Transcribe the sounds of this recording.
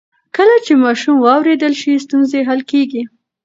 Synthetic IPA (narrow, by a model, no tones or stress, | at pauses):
kəlat͡ʃemɑʃumwɑwɾed̪əlʃist̪unzeɦalkeɡi